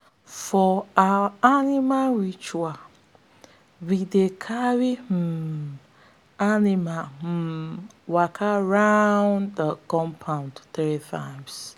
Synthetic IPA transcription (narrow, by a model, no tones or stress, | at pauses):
fɔawanimalɹit͡ʃua | widekʰawim̩ | animam̩wakʰaɹaʊ̃nddəkɔ̃mpʰãʊ̃ndθɾitʰãɪ̃ms